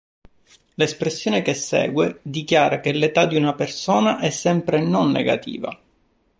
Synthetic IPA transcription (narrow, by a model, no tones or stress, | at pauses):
lespɾesːjoːnekesːɛ̰ːɡwed̪ikjaːɾakelet̪ad̪iunapersoːnaʔɛsːɛmpɾenonːḛɡa̰t̪ḭːva̰